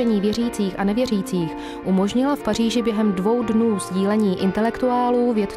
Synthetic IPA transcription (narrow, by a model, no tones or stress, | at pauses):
ɛɲiːvjɛr̝iːt͡siːxʔanɛvjɛriːt͡siːx | ʔumo̞ʒɲɪlafpariːʒɪbjɛɦɛmdvo̞wdnuːzɟiːlɛɲiːʔɪnt̪ɛlɛkt̪uaːluːvjɛt̪